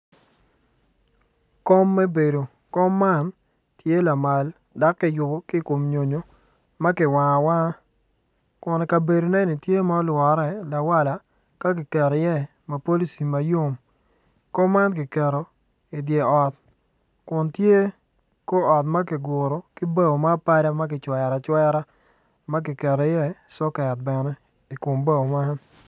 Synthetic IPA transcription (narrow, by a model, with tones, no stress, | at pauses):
ko˦mːɛ˦be˨do˨ | kɔ˦mːa˦n | tje˦la˨ma˨l | da˦kːɪ˦jʊ˨bo˦kɪ˦ko˨mɲo˨ɲo˦ | ma˦kɪ˨wa˨ŋ˨wa˦ | kʊ˨nɛ˨ka˨be˨ɾo˨nɛ˦ni˨tje˦mɔ˦ɔ˦lwɔ˨ɾɛ˨la˨wa˦la˨ | ka˦k̬ɪ˨kɛ˨ɾɔ˨jɛ˦˨ | ma˨po˦li˦si˨ma˨jo˦m | ko˦ma˦nk̬ɪ˨kɛ˨ɾo˨ | i˨dje˨ɔ˨t̚ | kʊ˨ntje˦ | ko˦ɔ˨tma˦k̬ɪ˨ɡʊ˨ɾo˨kɪ˦ba˦o˨ma˦pa˦ɾa˦ma˦k̬ɪ˨t͡ʃwɛ˨ɾa˨t͡ʃwɛ˦ɾa˦ | ma˦k̬ɪ˨kɛ˨ɾɔ˨ɪ˦jɛ˦sɔ˦kɛ˨t̚bɛ˨nɛ˦ | i˨kʊ˨mba˦o˨ma˦n